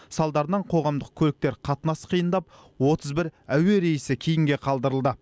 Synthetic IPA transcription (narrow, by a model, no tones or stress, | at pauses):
sɑlˠd̪ɑɾənɑɴqʰo̞ʁɑmd̪əq̚kʲʰɵlɪk̚t̪e̞ɾqʰɑt̪ənɑsqʰijənd̪ɑp̚ | wo̞t̪ʰəzbɪɾæwe̞ɾe̞jɪsɪkʲʰejɪŋɡʲe̞qʰɑlˠd̪əɾəlˠd̪ə